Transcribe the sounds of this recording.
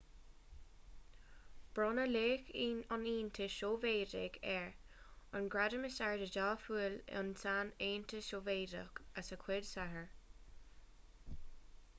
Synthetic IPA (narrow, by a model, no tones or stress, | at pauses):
b̥ɹɔnəleːxiːnaniːnt̪ʰəʃoːveːdɪ̰ɡɛɹ | ənɡɹadəməsaɹdədaːfuːl̰ʊ̰nsaːneːnt̪ʰəʃoːveːdə̰kəsəkʰwɪdsaɦəɹ